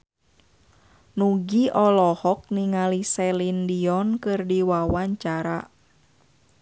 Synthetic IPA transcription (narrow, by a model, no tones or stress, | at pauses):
nuɡiʔɔlɔhɔk̚niŋalisɛlindiɔnkɨrdiwawaɲt͡ʃaɾa